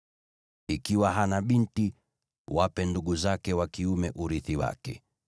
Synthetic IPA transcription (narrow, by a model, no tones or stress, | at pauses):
ikiwaɦanaɓinti | wapɛnduɠuzakɛwakiumɛʔuɾiθiwa̰kɛ̰